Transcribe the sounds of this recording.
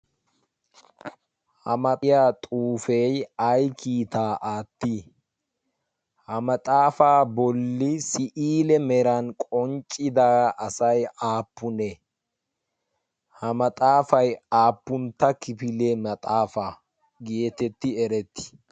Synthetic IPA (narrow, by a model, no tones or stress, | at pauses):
hɐmɐt̪ʼɪjaːt̪ʼuːfejɐjkʰiːt̪aːʔaːt̪ːi | hɐmɐt̪ʼaːfaːbɔlːɪsɪʔiːlɛmɛɾɐnkʼɔnt͡ʃʼːɪd̪aʔɐsɐjaːpːʊnɛ | hɐmɐt̪ʼaːfɐjaːpːʊnt̪ːɐkɪpɪlemɐt̪ʼaːfa | ɡeːt̪ɛt̪ːɪɛɾɛt̪ːɪ̥